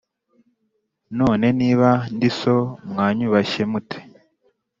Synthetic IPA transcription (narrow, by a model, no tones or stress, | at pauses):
noːne̞niːβandiso̞mŋaːɲuβaʃe̞mutʰe̥